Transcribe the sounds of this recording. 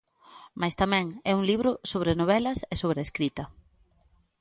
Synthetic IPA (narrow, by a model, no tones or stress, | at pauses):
majst̪amɛ̃ŋɛuŋliβɾʊsoβɾenoβ̞ɛlɐsesoβɾeːskɾit̪ɐ